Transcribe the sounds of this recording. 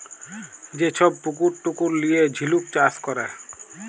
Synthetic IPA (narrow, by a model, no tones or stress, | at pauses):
d͡ʑet͡ʃʰɔb̚puk̬uɾʈukuɾlijed͡ʑʱiluk̚t͡ʃaskɔɾe